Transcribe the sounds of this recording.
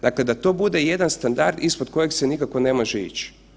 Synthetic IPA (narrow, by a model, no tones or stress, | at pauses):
d̪akle̞d̪at̪o̞bud̪e̞je̞d̪anst̪and̪a̰ɾd̪ispo̞d̪ko̞jekse̞nikakʋo̞ne̞mo̞ʒeḭt͡ʃ